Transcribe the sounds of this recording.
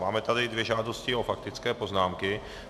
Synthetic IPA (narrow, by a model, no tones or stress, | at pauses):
maːmɛt̪adɪdvjɛʒaːdo̞scɪo̞fak̚t̪ɪt͡skɛːpo̞znaːmkɪ